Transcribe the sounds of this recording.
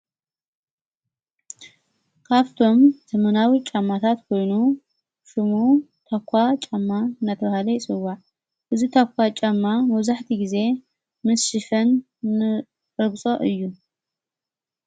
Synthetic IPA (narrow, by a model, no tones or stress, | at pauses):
kʰaβt̪ʰo̞mzɐmɐnawit͡ʃʼamːat̪ʰat̪kʰo̞jnu | ʃɨmut̪ʰakʷʰːat͡ʃʼamːanːat̪ʰɐβahalɐjɪsʼɨwaʕ | ʔɨzit̪ʰakʰʷːat͡ʃʼamːamɐβzaħt̪ʰiɡize̞ | mɨsʃifɐnː | ɨ | ɨbt͡sʼo̞ʔɨjːu